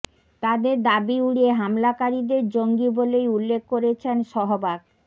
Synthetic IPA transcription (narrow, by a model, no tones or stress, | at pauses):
t̪ad̪eɾd̪abiuɽieɦamlakaɾid̪eɾd͡ʑoŋɡibolejulːek̚ʰkoɾet͡ɕʰenʃɔɦobak̚